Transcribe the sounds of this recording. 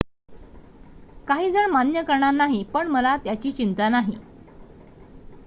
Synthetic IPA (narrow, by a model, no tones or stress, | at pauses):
kaɦiːd͡zəɳmanjəkəɾɳanaɦipəɳməlat̪jat͡ɕiːt͡ɕint̪anaɦḭ